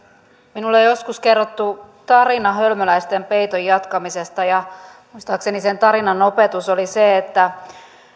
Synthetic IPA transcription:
minulːejo̞skuske̞rːot̪ːu | t̪ɑrinɑɦølmølæjst̪empejt̪ojːɑt̪kɑmise̞st̪ɑjɑ | muist̪ɑːksenise̞nt̪ɑɾinɑno̞pe̞t̪uso̞liseːt̪ːæ

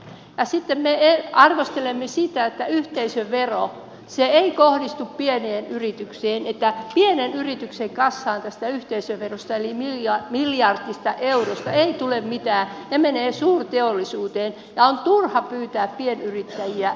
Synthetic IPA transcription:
jɑsit̪ːemmeeɑrʋost̪elemːesit̪æet̪ːæyht̪eisøʋʋero | seeikohdist̪uppieneːnyrit̪ykseːnet̪ːæpienenyrit̪ykseŋkɑsːɑːnt̪æst̪æyht̪eisøʋʋerost̪ɑelimilɑmiljɑrt̪ːist̪ɑʔeurost̪ɑeit̪ulemmit̪æːnemeneːsuːrt̪eolːisuːt̪eːn | jɑont̪urhɑpyːt̪æːppienyrit̪ːæjiæ

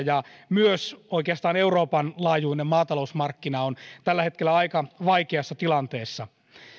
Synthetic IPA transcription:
jɑmyøsoikeɑst̪ɑːneuroːpɑnlɑːjuinemmɑːt̪ɑlousmɑrkːinɑont̪ælːæhet̪kelːæɑikɑʋɑikeɑsːɑt̪ilɑnt̪eːsːɑ

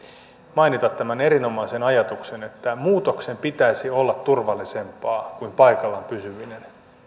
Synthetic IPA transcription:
mɑinit̪ɑt̪tːæmæne̞ɾino̞mɑise̞nɑjɑt̪ukse̞ne̞t̪ːæmuːt̪o̞kse̞mpit̪æisio̞lːɑt̪ːurʋɑlːise̞mpɑːkuimpɑikɑlːɑmpysyʋine̞n

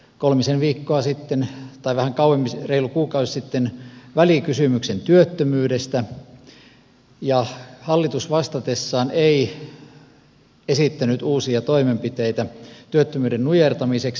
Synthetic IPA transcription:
kolmisenʋiːkːoɑsit̪ːent̪ɑiʋæhæŋkɑuemːisreilukuːkɑuesit̪ːenʋælikysymyksent̪yøt̪ːømyːdest̪æ | jɑhɑlːit̪usʋɑst̪ɑt̪esːɑːnei | esit̪ːænyt̪uːsiɑt̪oimempit̪eit̪æt̪yøt̪ːømyːdennujert̪ɑmiseks

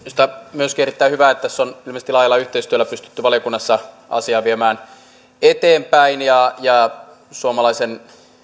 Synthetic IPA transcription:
si̥t̪æmyøskierit̪ːæihyʋæːet̪ːt̪æsːonilmest̪ːilɑːjɑlːɑyht̪eist̪yølːˑæpyst̪y̥t̪ːyʋɑlijokunːɑsːɑ | ɑ̰siɑːʋiemæːn | et̪eːmpæinjɑjɑ | suomɑlɑisen

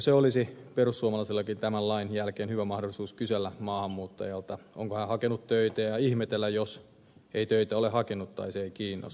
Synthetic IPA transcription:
seolisiperusːuomɑlɑisilːɑkint̪æmællɑinjælkeːnhyʋæmɑhdolˑisuːskyselːæmɑːhɑmːuːt̪ːɑjɑlt̪ɑo̰ŋkohæhɑkenut̪t̪øit̪æːjɑihmet̪elːæjos | eit̪øit̪æolehɑkenut̪t̪ɑ̰iseikiːnːˑo̰s

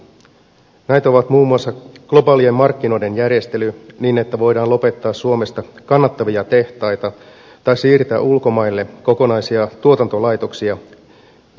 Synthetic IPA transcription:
næjt̪o̞ʋɑt̪muːmːuɑsːɑɡ̥lo̞bɑːliemːɑrkːino̞jde̞njærje̞st̪e̞lyniːne̞t̪ːæʋo̞jdɑːnlo̞pe̞t̪ːɑːsːuo̞me̞st̪ɑkɑnːɑt̪ːɑʋiɑt̪e̞ht̪ɑjt̪ɑ | t̪ɑjsiːrt̪æ̰ːʔulko̞mɑjlːeko̞ko̞nɑjsiɑt̪uot̪ɑnt̪o̞lɑjt̪o̞ksiɑ

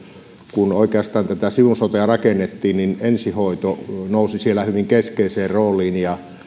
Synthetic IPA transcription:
kunoˑikeɑst̪ɑːnt̪æt̪æsiʋunsot̪eɑrɑkenːet̪ːiːnninensihoˑit̪onoˑusisielæhyʋiŋkeskeˑiseːrroːlˑiːnjɑ

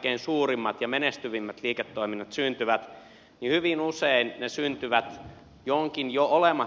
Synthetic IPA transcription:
keinsuːrimːɑt̪jɑmenest̪yʋimːæt̪liːket̪ːoiminːɑt̪synt̪yʋæt̪ | nihyʋinuseinnesynt̪yʋæt̪ | joŋkinjoolemɑ

